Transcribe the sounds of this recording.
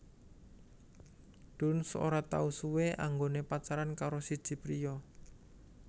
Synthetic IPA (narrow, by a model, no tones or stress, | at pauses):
ɖ̪̥ʊ̤nso̰ɾat̪a̰usuweʔaŋɡonepat͡ʃaɾankaɾosid̥ʒ̥i̤pɾijɔ